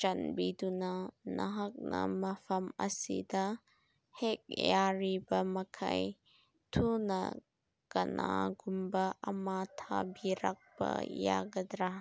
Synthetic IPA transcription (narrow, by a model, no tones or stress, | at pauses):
t͡ʃɐnbid̪unɐnɐɦɐk̚nɐmɐfʰɐmɐsid̪ɐ | hek̚jaɾibɐmɐkʰɐ̰j | t̪ʰunɐ | kɐnaɡumbɐʔɐmat̪ʰabiɾak̚bɐ̰ja̰ɡɐd̪ɾa